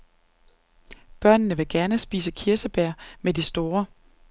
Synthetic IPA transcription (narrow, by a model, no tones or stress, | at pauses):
b̥ɶɐ̰nnəʋe̝ɡ̥æɐnəsb̥iːsəkʰiɐsəb̥æɐ̰medisd̥o̝ːɐ